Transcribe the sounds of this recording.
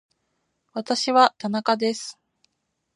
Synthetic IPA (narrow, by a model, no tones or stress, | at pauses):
βat̪aɕiβat̪anakad̪e̞sɨ̥